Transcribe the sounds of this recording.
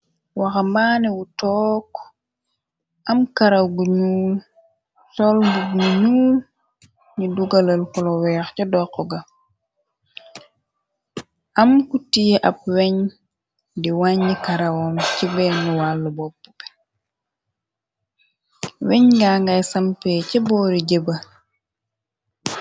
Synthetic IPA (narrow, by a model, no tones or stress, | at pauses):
waxambaːniwutɔk | ʔamkaɾawɡuɲuːl | sɔlmbuɡnuɲuːl | ɲiduɡalɐlkɔlɔwɛːxcɔdɔqːɔɡa | ʔɐmkutijɛʔɐp̚wɛɲ | diwaɲːikaɾɐwɔmcibɛnuwalːubɔpːu̥pɛ̥ | wɛɲɡaːŋɡajsɐmpɛcɛbɔːɾiɟebɐ